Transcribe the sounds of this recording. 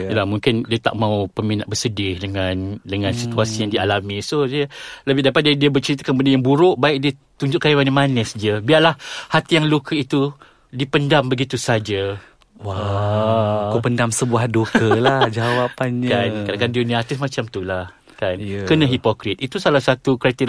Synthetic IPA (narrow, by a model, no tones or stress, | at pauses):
lamuŋkɪndiət̪a̰ʔmaupəminaʔ̚bərsədɪhdəŋandəŋãnsit̪uasijaŋdialamĩsohdiələbɪhdapat̪̚didiəbət͡ʃəɾit̪akapbadajaŋbuɾʊʔbaɪk̚diət̪uɲd͡ʒʊʔkajimanəmanəsd͡ʒiəbiarlahhat̪ijaŋlukʰəit̪u | dipəndambəɡit̪usad͡ʒə | wa | kupəndamsəbuahdokəlahd͡ʒawapanɲkankadaŋkandiəniat̪ɪsmãt͡ʃamt̪ulah | kankənãɦipokɾɪt̪̚it̪usalahsat̪ukɾat̪i